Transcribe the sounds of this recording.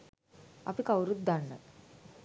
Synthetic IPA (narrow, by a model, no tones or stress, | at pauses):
ɐ̰pikawɾut̪̚d̪anːə̰